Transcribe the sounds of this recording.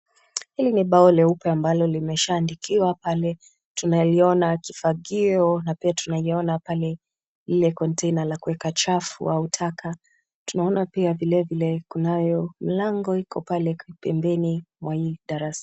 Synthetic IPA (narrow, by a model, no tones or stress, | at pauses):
hiliniɓaɔlɛupɛambalɔlimɛʃaːndikiwapalɛ | tunaliɔnakifaɡiɔnapiatunaiɔnapalɛ | lilɛkɔntɛinalakuwɛkat͡ʃafṵʔautʰakʰa | tunaɔnapiavilɛvilɛkunajɔm̩laŋɡɔhikʰɔpalɛpɛmbɛnimwaiɗaɾasḁ